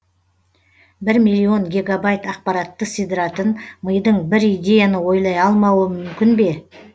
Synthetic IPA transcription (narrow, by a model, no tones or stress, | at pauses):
bɪɾmijlʲːio̞ŋɡʲe̞ɡabajt̪ɑq̚pɑɾɑt̪ːəsid̪ɾɑt̪ənməjd̪əɴbɪɾijd̪ʲe̞janəwo̞jlˠɑjɑlˠmɑwəmʏmkʲɪnbe̞